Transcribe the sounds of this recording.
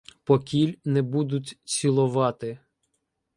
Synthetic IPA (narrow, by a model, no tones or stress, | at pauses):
pɔkʲilʲnɛbud̪ʊtʲt͡sʲilˠʊʋɑt̪ɪ